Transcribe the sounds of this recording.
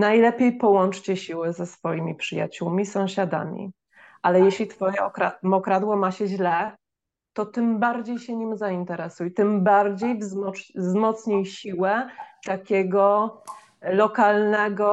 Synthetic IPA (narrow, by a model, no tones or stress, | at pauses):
najlɛpʲjejpɔwɔnt͡ʂt͡ɕɛɕiwɘzɛsfɔjimʲipʂɘja̰t͡ɕuwmʲisɔ̃w̃ɕad̪a̰mʲḭ | ʔalɛjɛɕlʲit̪fɔjɛɔkɾamɔkɾad̪wɔmaɕɛʑlɛ | t̪ɔt̪ɘmbaɾd͡ʑejɕɛɲimzaint̪ɛɾɛsujt̪ɘmbaɾd͡ʑejvzmɔzmɔt̪sɲijɕiwɛt̪akʲɛɡɔ | lɔkalnɛɡɔ